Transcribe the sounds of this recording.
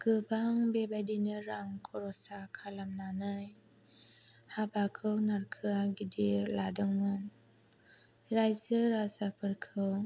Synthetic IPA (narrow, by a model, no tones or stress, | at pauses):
ɡ̥əbaŋbebadinəɾaŋkʰɔɾɔsakʰalamnanəj | habakʰəwnarkʰɯaɡidiladəŋɔn | ɾajsəɾasapəɾkʰəw